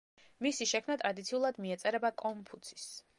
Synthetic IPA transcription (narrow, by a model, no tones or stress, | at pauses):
misiʃɛkʰmnat̪ʼɾad̪it̪sʰiulˠad̪miɛt̪sʼɛɾɛbakʼɔmpʰut̪sʰi̥s